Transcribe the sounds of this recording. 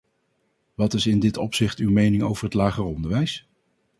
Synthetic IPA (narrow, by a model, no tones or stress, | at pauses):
ʋɑtɪsɪndɪtɔpsɪχtywmejnɪŋowvəɹɦətlaːχərɔndəɹʋɛjs